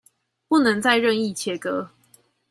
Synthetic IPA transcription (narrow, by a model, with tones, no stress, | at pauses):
pu˥˨nə˧˦ŋt͡sa˥˧ɪɻə˥˧ŋi˥˨t͡ɕʰjɛ˨˥kə˦